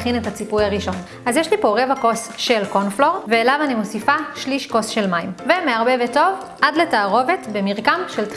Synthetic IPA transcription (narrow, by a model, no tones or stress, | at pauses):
χinethat͡sipujhaʁiʃo̞n | azjeʃlipo̞ʁevako̞s | ʃelkonflo̞ʁveːlavanimo̞sifaʃliʃko̞sʃe̞lmaimvemeaʁbeveto̞v | ʔadletaːʁove̞tbe̞miʁkamʃelt